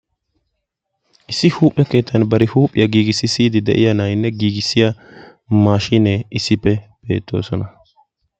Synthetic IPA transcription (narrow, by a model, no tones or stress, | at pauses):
ʔɪsːɪhuːpʼːɛke̞ːt̪ʰːɐnbɐɾɪhuːpʼːɪjɐɡiːɡɪsːɪsiːd̪ɪd̪ɛ̰ʔɪjɐnɐjnːɛɡiːɡɪsːɪja | maːʃinːɛɪsːɪpːɛb̥e̞̰ːt̪ːo̞̰ːsɔnɐ